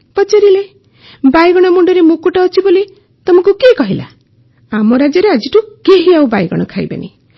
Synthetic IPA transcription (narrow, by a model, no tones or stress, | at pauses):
pɔt͡ʃaɾile | bajɡɔɽ̃ɔmuɳɖɔɾemũkuʈaːt͡ʃʰiboli | t̪ɔmɔ̃kukekɔɦila̰ | amɔɾad͡ʒɔɾead͡ʒiʈukeɦiawbajɡɔ̰ɽ̃ɔkʰajba̰nḭ